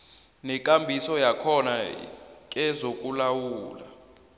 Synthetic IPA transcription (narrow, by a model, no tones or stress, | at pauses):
nɛkʼambʱisɔjakʰɔna̰ | k̬ʼɛzokʼulawuːla